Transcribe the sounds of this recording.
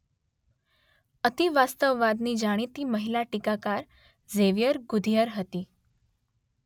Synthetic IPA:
ət̪iʋast̪əʋːad̪niːd͡ʑaɽ̃it̪iːməɦilaʈikakaɾ | d͡zeʋijəɾɡud̪ʱijəɾɦət̪iː

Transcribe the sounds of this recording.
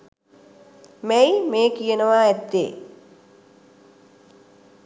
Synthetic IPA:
mæjmeːkijənəʋaːɛt̪ːḛː

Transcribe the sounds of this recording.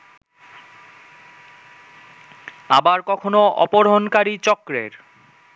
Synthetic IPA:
abaɾkɔkʰonoɔ̰poɾɦonkaɾit͡ɕɔkɾḛɾ

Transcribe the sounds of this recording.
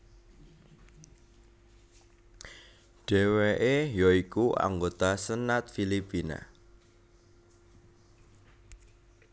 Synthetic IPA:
ɖ̥ɛ̤weʔejɔikuʔa̰ŋɡot̪asənat̪̚filipina̰

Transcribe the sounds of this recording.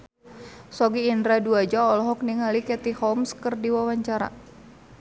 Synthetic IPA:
sɔɡiːndɾaduad͡ʒaɔlɔɦɔk̚niŋalikɛt̪ihɔmskərdiwawaɲt͡ʃaɾa̰

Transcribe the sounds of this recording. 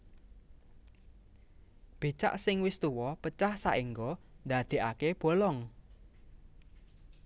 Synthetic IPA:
b̥e̤t͡ʃa̰ʔsɪŋwɪst̪uwɔpət͡ʃahsaʔiŋɡɔ | nd̪ä̤d̪̥e̤ʔakeb̥o̤lɔŋ

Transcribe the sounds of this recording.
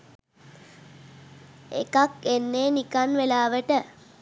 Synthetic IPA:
ḛkakenːeːnikanʋelaːʋəʈə

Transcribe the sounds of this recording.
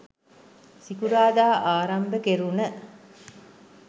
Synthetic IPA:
sikuɾaːd̪aːʔaːɾɐmbəkeɾunə

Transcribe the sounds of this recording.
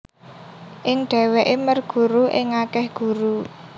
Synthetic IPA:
ʔɪŋɖ̥ɛ̤weʔemərɡ̥ṳɾuʔɪŋakɛhɡ̥ṳɾu

